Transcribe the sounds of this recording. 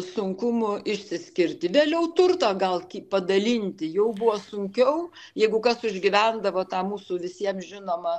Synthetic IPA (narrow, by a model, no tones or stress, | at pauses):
sʊŋkʊmʊɪʃʲsʲɪsʲkʲɪrʲt̪ʲɪʋʲeːlʲɛʊt̪ʊrt̪ɐɡɐlˠkʲiːpɐd̪ɐlʲinʲt̪ʲɪjɛʊbʊʋosʊŋʲkʲɛʊ | jɛɪɡʊkɐsʊʒʲɡʲɪʋʲænd̪ɐʋoːt̪ɑːmuːsʊʋʲɪsʲiɛmʒʲɪnoːmɐ